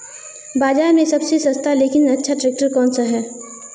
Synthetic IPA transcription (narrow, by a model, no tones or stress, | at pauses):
baːd͡ʒaːɾmẽsɐbsesɐ̃st̪ʰaleːkɪnɐtːʃʰaʈɾeːk̚ʈəɾkɔːnsaɦɛː